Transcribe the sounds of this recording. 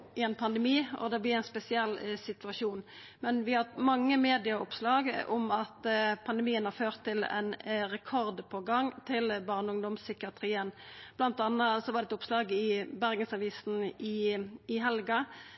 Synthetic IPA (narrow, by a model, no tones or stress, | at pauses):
ɪɛnpʰɑnd̪ɛmiːɔ̰d̪ɛblɪʁæɪnspɛsɪɛlːsɪt̪ʉɑʃuːn | mɛnʋɪhɑt̪mɑŋːəmeːd̪ɪɑʊpslɑːɡʊ̰mɑt̪pʰɑnd̪əmiːənhɑʁføːʁt̪ʰːɪlɛ̰nʁɛkʰɔʁd̪pʰɔɡɑŋt̪ʰɪlbɑʁnəʊŋd̪ɔmsʏkɑt̪ʰʁiːənb̥lɑnt̪ɑnːəsɔʋɑʁd̪ɛt̪ʊpslɑːɡɪbæʁɡənsɑʋiːsn̩ɪɪɦɛlɡɑ